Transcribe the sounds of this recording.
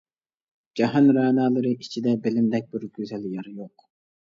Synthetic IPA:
d͡ʒɑɦɑnɾɑːnɑːlˠɨɾɨʔit͡ʃʰid̪ɛbɪlɪmd̪ɛk̚ʲbiɾɡʲøzɛljɑɾjoq

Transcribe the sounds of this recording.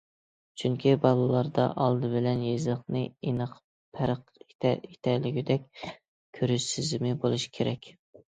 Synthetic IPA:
t͡ʃʰyŋkʲʰibɑlˠɨlˠɑɾd̪ɑ̰ʔɑlˠd̪ɨbɪlɛnjezləχqnɨinɨq | pʰæɾəqe̥t̪ʰɛɾlɪɡʲid̪ɛk̚ʲ | kʲʰøɾyʃsɪzɪmɪbolˠuʃi̥kʲʰeɾɛkʲ

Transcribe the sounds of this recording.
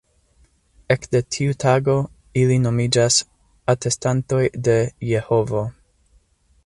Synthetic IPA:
ekdetʰiutʰaɡo̞ | ilino̞mid͡ʒas | atʰe̞stanto̞jde̞je̞ho̞vo̞

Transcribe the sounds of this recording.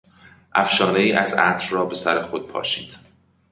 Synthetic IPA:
ʔæfʃɒːneiːʔæzæt̪ʰɾrɒːbe̞sæɾexod̪̚pʰɒ̰ːʃḭːnd̪̥

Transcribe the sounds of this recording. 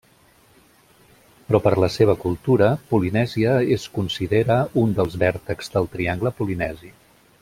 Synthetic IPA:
pɾɔpəɾləseβ̞əkulˠt̪uɾəpulinɛziəeskunsiðeɾəund̪əlˠzβɛɾt̪əkzd̪əlˠt̪ɾiaŋɡləpulinɛzi

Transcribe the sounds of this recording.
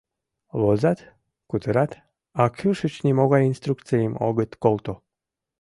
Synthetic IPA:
βozɑt̪ | kut̪əɾɑt̪ | ɑkʰyʃɨt͡ɕnimoɣɑjinst̪ɾuk̪t͡sejəmo̰ɣət̪kolˠt̪o

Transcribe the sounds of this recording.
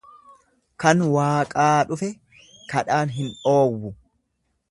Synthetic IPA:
kɐnwaːkʼaːᶑʊfɛ | kɐᶑaːnɦɪnᶑo̞ːwːʊ

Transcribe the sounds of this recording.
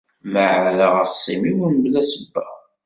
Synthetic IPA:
məʕɾələʁəfsimiwənblæsəbːæ

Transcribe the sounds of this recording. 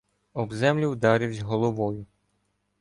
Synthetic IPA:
ɔbzɛmlʲiwd̪ɑɾʲɪwzʲɦɔlˠɔʋɔjʊ

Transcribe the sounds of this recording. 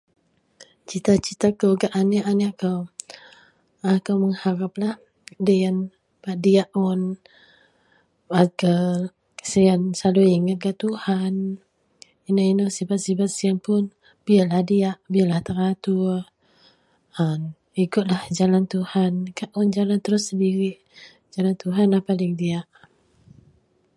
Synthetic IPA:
t͡ʃit̪at͡ʃit̪akəɡaʔaniʔaniakaw | akawməŋhaɾap̚lah | dəjan | badiaʔɔn | baɡə | sijansaluiŋat̪̚ɡat̪uhan | inoinosibat̪̚sibat̪̚sianpʊn | b̥ialahdiaʔbialaht̪əɾat̪u | əm | ikʊt̪̚lahd͡ʒalant̪uhankaʔʊnd͡ʒalant̪əɾʊsːəndiɾiʔ | d͡ʒalant̪uɦanahpalɪŋdiaʔ

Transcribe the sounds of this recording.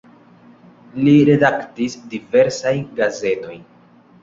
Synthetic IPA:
liɾe̞daktisdive̞ɾsajnɡaze̞to̞jn

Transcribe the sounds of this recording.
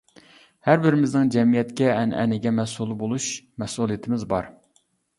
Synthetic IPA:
hæɾbɪɾɪmɪznɪŋd͡ʒɛmijɛt̪kʲɛɛnɛ̰nɪɡʲɛmɛsulˠbolˠuʃmɛsulˠijit̪ʰɪmɪzbɑ̰ɾ

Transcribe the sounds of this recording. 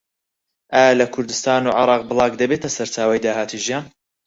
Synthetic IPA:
ʔaːjɐlɐkʰʊɾd̪ɨst̪aːnuːʕɪɾɑːq̚bɨlˠɑːqd̪ɐbeːt̪ɐsɐɾt͡ʃaːwɐjd̪aːɦaːt̪ʰiʒijaːn

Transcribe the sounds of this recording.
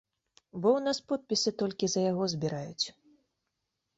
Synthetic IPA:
bɔwnaspɔt̪̚pʲisʲɨt̪ɔlʲkʲizɐjaɣɔzbʲiɾajut͡sʲ

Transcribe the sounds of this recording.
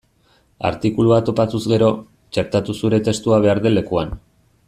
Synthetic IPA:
a̰ɾt̪ikuluat̪o̞pat̪uzɡe̞ɾo̞ | t͡ʃe̞ɾt̪at̪usuɾe̞t̪e̞st̪uaβ̞e̞aɾðe̞le̞kuan

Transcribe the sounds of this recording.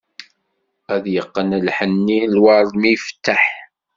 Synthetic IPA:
æðjəqːənlħənːilwɑɾˤðˤmifə̥t̪ːaħ

